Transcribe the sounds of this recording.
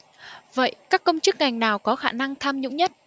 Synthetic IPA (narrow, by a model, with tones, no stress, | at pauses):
və̰˧˨jkaː˦˥kːə˧wŋ͡mt͡ɕɨ˦˥k̚ŋa˨˩jŋ̟naː˨˩wkɔ˨˦xaː˧˩na˧ŋt̪ʰaː˧mɲʊ̰˧˥ŋ͡mɲə˦˥t̚